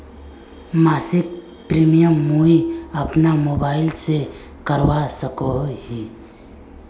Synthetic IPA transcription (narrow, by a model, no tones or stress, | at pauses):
maːsɪk | pɾiːmijəmːuiɐpnamoːbaːɪlse | kəɾwasəkoɦi